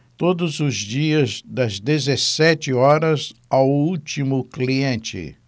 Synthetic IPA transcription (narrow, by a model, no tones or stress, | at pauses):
t̪od̪ʊzʊzd͡ʒiɐzd̪ɐzd̪ezesɛt͡ʃɪɔɾɐzawut͡ʃimʊkliẽnt͡ʃɪ̰